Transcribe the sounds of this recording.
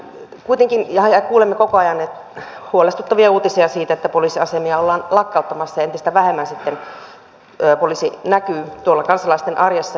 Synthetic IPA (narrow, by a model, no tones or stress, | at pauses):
kuit̪eŋkinjɑɑjɑkuːlemːekokoɑjɑnːet̪ | huolest̪u̥t̪ːɑʋiɑuːt̪isiɑsiːt̪æet̪ːæpolisiɑsemiɑolːɑːnlɑkːɑut̪ːɑmɑsːɑjɑent̪ist̪æʋæhemːænsit̪ːen | øːpolisinækyːt̪uolːɑkɑnsɑlɑist̪enʔɑrjɑsːɑ